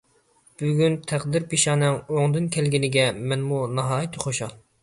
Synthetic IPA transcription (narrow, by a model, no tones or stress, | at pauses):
b̥yɡʲynt̪ʰæqd̪ɪɾpʰiʃɑːnɛŋoŋd̪ɨnkʲʰɛlɡʲɪnɪɡʲɛmɛnmunɑɦɑːjit̪ʰɪχoʃɑlˠ